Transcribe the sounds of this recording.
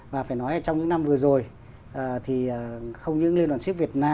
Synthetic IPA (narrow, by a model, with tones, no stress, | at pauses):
vaː˨˩faː˧˩jnɔ˨˦jʔəː˧˩t͡ɕɔ˧wŋ͡mɲɨ̰˧˥ŋna˧mvɨ˨˩əzo˨˩j | ʔəː˨˩t̪ʰi˨˩əː˨˩xə˧wŋ͡mɲɨ̰˧˥ŋli˧əntwːsi˦˥k̚vət̚naː˧